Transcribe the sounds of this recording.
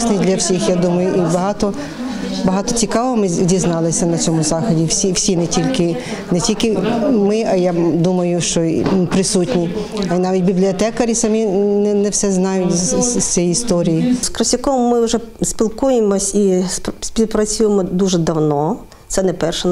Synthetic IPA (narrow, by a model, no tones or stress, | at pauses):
snɪd̪ʲlʲɐwsʲixjad̪umɐjʊʔibɐɦɑt̪ɔ | bɐɦɑt̪ɔt͡sʲikɑʋɔmɪdʲiznɑlˠɪsʲɐnɐt͡sʲɔmʊzɑxɐdʲiwsʲiwsʲinɛtʲilʲkɪ | nɛtʲilʲkɪmɪɐjad̪umɐjʊʃt͡ʃɔ̰pɾɪsutʲnʲiɐinɑʋʲit̚ʲbʲiblʲiɔt̪ɛkɐɾʲisɐmʲinɛnɛwsɛznɑjʊt̪ʲt͡sʲɛjiist̪ɔɾʲijiskɾɐsʲɐkɔmːɪʊʒɛ | sʲpʲilˠkujemɔsʲipsʲpʲiwpɾɐt͡sʲujemɔd̪uʒɛd̪ɐwnɔ | t̪sɛnɛpɛrʃɛ